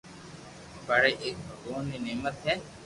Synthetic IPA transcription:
bəɽeːʔeːk̚bʱəɡoːniːneːmət̪ɦɛː

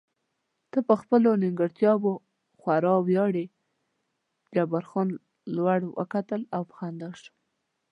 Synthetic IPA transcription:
t̪əpəxpəlonɪŋɡəɾt̪jɑbo | xwaɾɑwjɑɽe | d͡ʒabaɾxɑn | lwaɽwə̰kat̪əlawpə̥xand̪aʃə̥

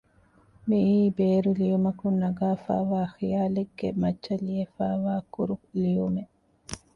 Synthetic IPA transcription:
miʔiːbeːɾulijumɐkunːɐɡaːfa̰ːʋaːxijaːleɡːḛmɐt͡ʃːɐliefaːʋaːkuɾulijume

